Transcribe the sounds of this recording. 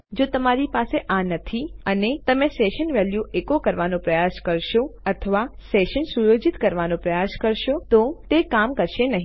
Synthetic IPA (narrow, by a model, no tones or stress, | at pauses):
d͡ʒot̪əmaɾipaseʔanət̪ʰiənet̪əmẽseʃənʋɛljuekokəɾʋanõpɾəjaskəɾʃoət̪ʰəʋaseʃənsujod͡ʒit̪kəɾʋanõpɾəjaskəɾʃot̪ot̪ekamkəɾʃenəɦĩ